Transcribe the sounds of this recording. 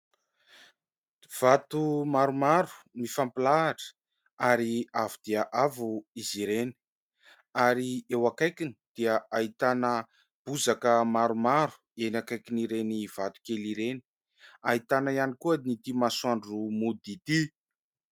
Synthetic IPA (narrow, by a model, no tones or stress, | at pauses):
v̥at̪umaɾumaɾu̥mifampilaːʈ͡ʂə̥ | aɾiavud̪̥iəʔavuiziɾeni̥ | aɾiewakajkini̥d̪̥iəait̪anə | b̥uzakəmaɾumaɾu̥ | enakajkiniɾeniv̥at̪u̥keliɾeni̥ | ait̪anaianikuənit̪imasuaɳɖ͡ʐumud̪it̪i